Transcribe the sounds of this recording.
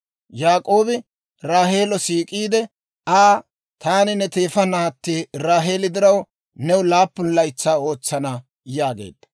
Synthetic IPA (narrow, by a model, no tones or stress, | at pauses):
jaːkʼo̞ːbɪ | ɾaːɦe̞ːlɔsiːkʼiːd̪ɛ | aː | t̪aːnɪnɛt̪eːfɐnaːt̪ːiːɾaːɦe̞ːlɪd̪ɪɾɐw | nɛwʊlaːpːʊnlɐjt͡sːaːo̞ːt͡sːɐnɐ | jaːɡḛːd̪ɐ̥